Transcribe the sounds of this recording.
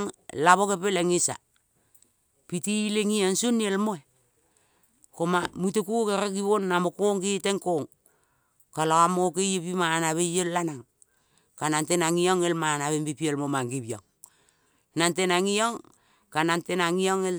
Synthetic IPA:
ŋlaβokepeleŋisa̰ | pitileŋiansunːielmoe | komamutekukeɾekiβonːamokoŋkiteŋkoŋ | kaloamokejepimanaβejellanaŋ | kanantenaŋioŋelmanaβembipielmomaŋɡibio̰ŋ | nantenaŋioŋ | kanantenaŋioŋel

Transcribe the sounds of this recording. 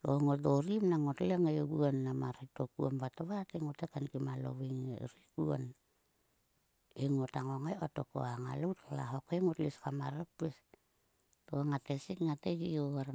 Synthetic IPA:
loŋodoɾimnaŋotleŋajoɡuonːamaɾetokuombataβateŋotekankimalo̰βiŋḛɾiɡuo̰n | eŋotaŋoŋajotoko̰aŋaloutalaɦokeŋotliskamaɾapes | toaŋatesikŋated͡ʒioaɾ

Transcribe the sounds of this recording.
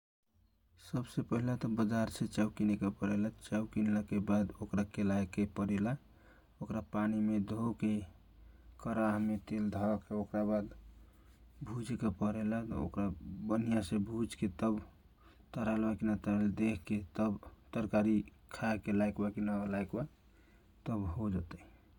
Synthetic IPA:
səbsepəɦilat̪ɔbəd͡ʒaɾsʰet͡ʃəwkinekepəɾelat͡ʃəwkinləkebad̪okɾakelajkːepəɾela | okɾapanimed̪ʱoke | kəɾaɦmet̪eld̪ʱakeokɾabad̪ | bʱud͡ʒkepəɾelat̪ɔ̰o̰kɾabənijasebʱud͡ʒket̪əb | t̪əɾalbakinat̪əɾeld̪ekʰket̪əbt̪əɾkaɾi | kʰaekelajkbakinalajkba | t̪əbɦod͡ʒət̪ə

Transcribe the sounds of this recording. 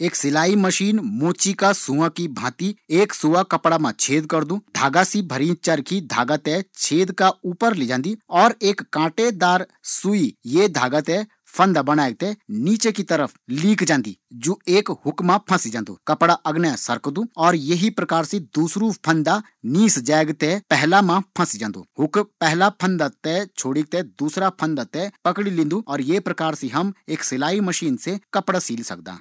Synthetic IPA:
eːksɪlaːiməʃiːnmoːt͡ʃikasũːãkibʱãːt̪ieːksuːʋakɐpɽamãt͡ʃʰeːd̪kɐɾd̪ũːd̪ʱa̰ːɡasibʱɐɾit͡ʃəɾkid̪ʱa̰ːɡət̪ɛt͡ʃʰeːd̪kauːpəɾlid͡ʒãːnd̪iɔːɾeːkːãːʈed̪aːɾsuijed̪ʱaːɡət̪ɛ | pʰɐ̃nd̪abɐnaːeɡ̚t̪eniːt͡ʃekit̪ɐɾəfʰliːkd͡ʒãːnd̪ḭːd͡ʒoːeːkɦʊkmãpʰɐ̃sid͡ʒãːnd̪ṵːkɐpɽaʔɐɡnasɐɾkd̪ũːɔːɾjɐɦipɾɐkaːɾsid̪uːsɾupʰɐ̃nd̪a | niːsd͡ʒaːɡt̪epɛɦlamãpʰɐ̃sid͡ʒãːnd̪ṵːhʊkpɛɦlapʰɐ̃nd̪at̪ɛt͡ʃʰoːɽiɡ̚t̪ed̪uːsɾapʰɐ̃nd̪at̪ɛpɐkɽilĩːnd̪uɔːɾjeːpɾɐkaːɾsiɦɐmeːksɪlaːimɐʃiːnsekɐpɽasiːlsɐ̰k̚d̪a̰ː

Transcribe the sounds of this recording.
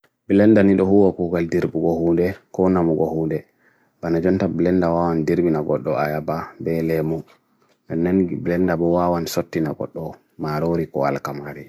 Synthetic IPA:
bilɛndaniɗɔhuwakuɡaldiɾbuɡɔhuːndɛkɔnamuɡɔhundɛ | banad͡ʒɔntablɛndawawandiɾbinaɡɔɗːɔajababɛlɛmu | ʔɛnːɛnblɛndabɔwawansotːinaɡɔ̰ɗːɔ | maɾoɾikɔ̰a̰lkamaɾi

